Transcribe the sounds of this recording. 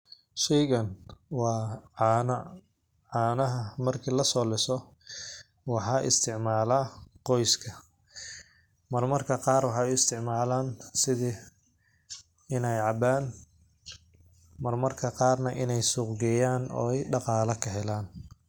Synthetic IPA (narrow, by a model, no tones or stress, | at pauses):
ʃɛjɣɐnwɑːnɐ | ʕɑːnɐɦɐmɐrkʰiːlɐsɔːlɪsɔ | wɑħɑːʔɪ̰st̪ʰɪʕmaːlaːqɔjskʰɐ | mɐrmɐrkʰɐqɑːrwɑħɑːjɪst̪ʰɪʕmaːlaːnsɪði | ɪnɛjʕɑbaːn | mɐrmɐrkʰɐqɑːrnɐʔɪnɛjsuːqɡɛjaːnɔ̰ːɛjɖɑqɑːlɐkʰɐɦɛlaːn